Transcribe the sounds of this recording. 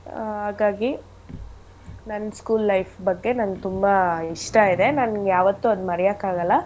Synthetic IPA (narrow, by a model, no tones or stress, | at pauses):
ɦaːɡaːɡi | nɐnːskuːlːɐjfbɐɡːe̞nɐnɡt̪umbɐiʂʈɐid̪e̞nɐnɡjaːʋɐt̪ːuɐd̪umɐɾɛjakaːɡɐlːɐ